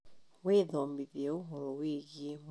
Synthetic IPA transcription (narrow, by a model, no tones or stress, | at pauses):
weðɔːmbiðeoɦoɾoweːɣiem